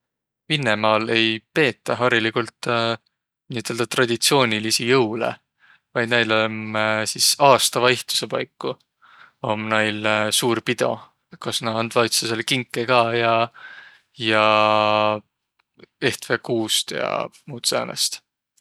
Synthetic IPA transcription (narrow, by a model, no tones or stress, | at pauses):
vinːemɑːle̞jpe̞ːt̪ːˑɑɦɑɾilikult̪ː | niːt̪ːˑeld̪̥ɑt̪rɑd̪̥it̪sio̞ːnʲilisijɤwlḛ | vɑjd̪̥næjlomsisɑːst̪ɑvɑiht̪u̥se̞pɑjkːu | o̞mnɑjlsuːɾpid̪̥o̞̰ | kɑsnɑɑnd̪̥vɑjt̪seselkiŋkːˑekɑjɑ | jɑ | e̞ht̪vekuːst̪jɑ̰muːt̪seɑ̰nḛst̪